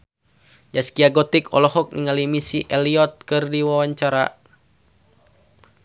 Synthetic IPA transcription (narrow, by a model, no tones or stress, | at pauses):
d͡ʒaskiaɡɔt̪ikɔ̰lɔhɔk̚niŋalimisiʔɛliɔt̪̚kɨrdiwawaɲt͡ʃaɾa̰